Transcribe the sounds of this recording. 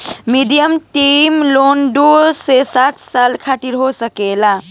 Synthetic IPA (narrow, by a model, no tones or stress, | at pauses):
miɖijəmʈimlonɖusesat̪ʰsalkʰat̪iɾɦosəkela